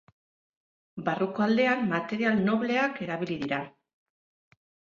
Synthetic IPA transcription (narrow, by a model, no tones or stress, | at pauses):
baruko̞ald̪e̞anmat̪e̞ɾialno̞βle̞ake̞ɾaβ̞iliðiɾa